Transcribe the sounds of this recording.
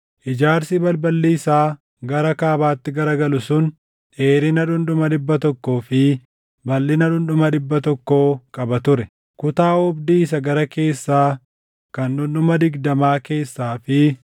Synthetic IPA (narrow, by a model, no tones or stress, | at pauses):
ʔɪd͡ʒaːɾsɪbɐlbɐlːiːsaː | ɡɐɾɐkaːbaːt̪ːɪɡɐɾɐɡɐlʊsʊn | ᶑe̞ːɾɪnɐᶑʊnɗʊmɐᶑ̪ɪbːɐt̪ɔkːo̞ːfɪ | bɐlːɪnɐᶑʊnɗʊmɐᶑɪbːɐt̪ɔkːo̞ːkʼɐbɐt̪ʊɾɛ | kʊt̪aːɔbd̪iːs̬ɐɡɐɾɐke̞ːsːaː | kɐnᶑʊnɗʊmɐd̪ɪɡd̪ɐmaːke̞ːsːaːfɪ